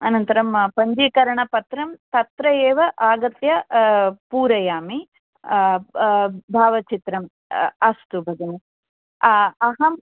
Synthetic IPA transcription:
ɐnɐnt̪ɐɾɐmpɐɲd͡ʒikɐɾɐɳɐpɐt̪ɾɐmt̪ɐt̪ɾɐjeːʋɐʔaːɡɐt̪jɐpuːɾɐjaːmi | bʱaːʋɐt͡ʃit̪ɾɐm | ɐst̪ubʱɐd̪ɐni | ɐɦɐm

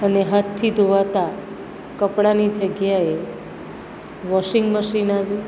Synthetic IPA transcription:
əneɦat̪ʰːid̪oʋat̪a | kəpɽanid͡ʒəɡjae | ʋɔʃɪŋɡməʃinaʋju

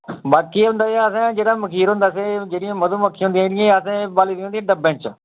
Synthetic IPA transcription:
baːkiːɦʊ̃nd̪aːsəsãːd͡ʒeːɽaːməkʰiːɾɦõːnd̪aːs̬ed͡ʒeːɽɪjãːməd̪ũːməkʰːiːɦõnd̪ijãɪãəsãːbaːliːd̪iõnd̪ĩãɖəbɛ̃ːt͡ʃ

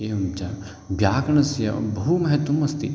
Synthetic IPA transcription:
eːɐmt͡ʃa | bʱjaːkɐnɐsjɐ̰bɐɦumɐɦɐt̪wɐmɐst̪ḭ

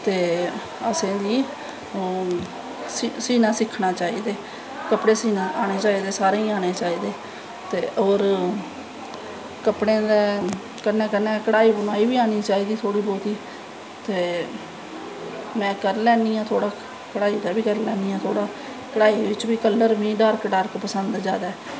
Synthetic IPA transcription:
t̪eː | əsẽːd̪iː | ssiːnãːsɪkʰːnaːt͡ʃaːiːd̪eː | kəpɽeːsiːnaːʔaːɽ̃eːt͡ʃaːiːd̪eːsaːɾeːĩːaːneːt͡ʃaːiːd̪eː | t̪eːʔoːɾ | kəpɽẽːd̪eː | kənːɛ̃ːkənɛ̃ːkəɽaːiːbənaːiːbiːaːniːt͡ʃaːiːd̪iːt̪ʰoːɽiːboːt̪iː | t̪eː | mɛ̃ːkəɾlɛːniːãːt̪ʰoːɽaː | kəɽaːiːd̪aːbiːkəɾlɛːniːãːt̪ʰoːɽaː | kəɽaːiːʋɪt͡ʃʋiːkəlːəɾʋĩːɖəɾkɖəɾkpəsənd̪d͡ʒaːd̪aː

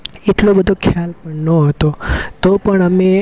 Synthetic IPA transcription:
eʈlobəd̪ʱokʰjalpəɳnoɦət̪ot̪opəɳəme

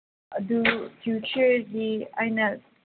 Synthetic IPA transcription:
dupʰjut͡ʃəɾdiajnɐ

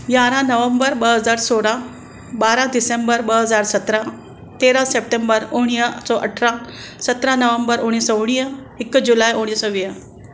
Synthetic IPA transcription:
jaɾãnəʋəmbəɾbəɦəd͡zaɾsoɽa | baɾãd̪isembəɾbəɦəd͡zaɾsət̪ɾã | t̪eɾasep̚ʈembəɾoɽ̃ijəsɔʔə̰ʈʰɾãsət̪ɾãnəʋəmbəɾoɽ̃isəoɽ̃ijə | ekːd͡ʑulajoɽ̃isəʋijə

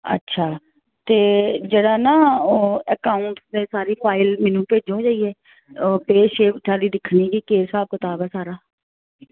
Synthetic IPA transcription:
ə̰tːʃʰaː | t̪eːd͡ʒeːɽaːnaːəkaːʊɳʈsd̪eːsaːɾiːpʰaːɪlmɛːnũːpeːd͡ʒõːd͡ʒaːiːɛː | peːʃeːt͡ʃʰaːliːd̪ɪkʰniɡiːkeːsaːb̚kɪt̪aːbɛːsaːɾaː

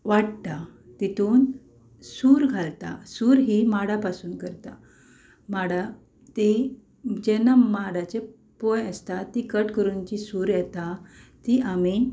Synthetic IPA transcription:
ʋaɽt̪a | t̪it̪uːn | suːɾɡʱalt̪a̰suɾɦimaɽapasuːnkəɾt̪a | maɽa | t̪i | d͡ʑɛnːamaɽat͡ɕe | pojəst̪at̪ːikəʈkəɾunt͡ɕisuːɾjɛt̪at̪iʔami

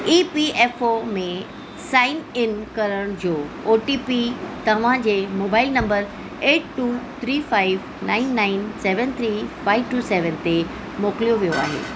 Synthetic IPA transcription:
ipieːfomẽ | saːɪnɪnkɐɾəɽ̃d͡ʑoːoːʈipit̪ɐʋ̤ãd͡ʑeːmoːbaːɪlnɐ̃mbəɾ | eːʈʈuːt̪ʰɾiːfaːɪʋ | naːɪnːaɪnseːʋənt̪ʰɾiːfaːɪʋʈuːseːʋənt̪e | moːkɪlijoʋijoa̰ːɦḛː

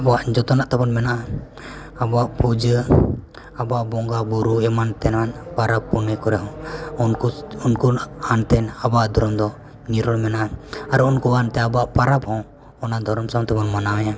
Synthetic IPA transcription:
abɔwaʔd͡ʒɔt̪ɔnaʔt̪abɔnmɛnaʔ | abɔaʔpud͡ʒə | abaʔbɔŋɡabuɾuɛmant̪ɛnmanpaɾabːunɛkɔɾɛɦɔ̃ununkuant̪ɛnabaʔd̪ʱɔɾɔmd̪ɔ | niɾɔlmɛnaʔaɾɛunkuant̪ɛabɔaʔpaɾabhɔ̃ | ɔnad̪ʱɔɾɔmsat̪ɛbɔnmanawɛja

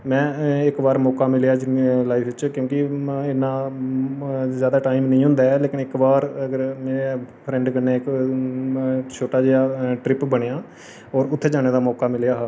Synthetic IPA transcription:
mɛ̃ːɪkbaːɾmɔːkaːmɪljaːd͡ʒɪnlaːifʰʋɪt͡ʃkjõːkɪɪnːãː | zjaːd̪aːʈaːimnəĩːɦʊ̃nd̪aːɛːleːkɪnɪkbaːɾəɡəɾmeːɾepʰɾɛ̃ːɳɖkənːeːk | t͡ʃʰoːʈaːd͡ʒeaːʈɾɪpbəɽ̃ejaː | ɔːɾʊt̪ʰːeːd͡ʒaːɽ̃eːd̪aːmɔːkaːmɪlejaːɦaː

